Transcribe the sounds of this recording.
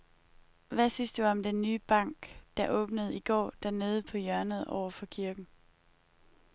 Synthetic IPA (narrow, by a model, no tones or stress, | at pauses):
ʋæsyn̰sd̥uɒ̽md̥enːyːb̥ɑ̈ŋ̰ɡ̥d̥ɑ̈ʔɔ̽ːb̥nəð̞̩ˠiɡ̥ɒ̰ːd̥æɐne̝ːð̞ˠəpʰɒ̽jœɐnəð̞̩ˠɒ̰ʊɐfɒ̽kʰiɐɡ̥n̩